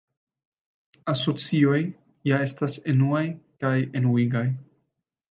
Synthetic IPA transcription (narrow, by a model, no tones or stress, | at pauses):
aso̞t͡sio̞j | jae̞stasenuajkaje̞nuiɡaj